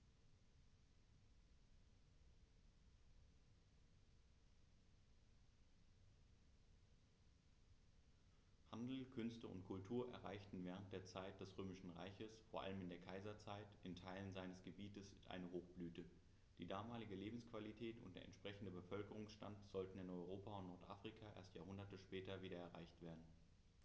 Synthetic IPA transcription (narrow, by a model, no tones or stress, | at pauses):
handl̩kʰʏnstəʊ̰ntkʰʊltʰuːɐʔɛ̰ɐʁaɪçtn̩vɛːʁ̞ənt̚d̥eːɐt͡saɪt̚d̥ɛsʁøːmɪʃn̩ʁa̰ɪçəsfoːɐʔa̰ləmɪndeːɐkʰaɪzɐt͡saɪtɪntʰaɪlənzaɪnəsɡ̥əbiːtəsʔa̰ɪnəɦoːxb̥lyːtə | d̥iːdaːmaːlɪɡəleːbm̩skv̥alitʰɛːtʊ̰nt̚d̥eːɐʔɛ̰ntʃpʁ̥ɛçn̩dəbəfœlkəʁ̞ʊŋsʃta̰ntz̥ɔltn̩ɪnɔʏʁ̞oːpaʊntnɔɐtʔaːfʁ̥ikʰaʔḛːɐstjaːɦʊndɐtəʃpɛːtɐviːɾɐɛɐʁa̰ɪçtv̥eːɐdn̩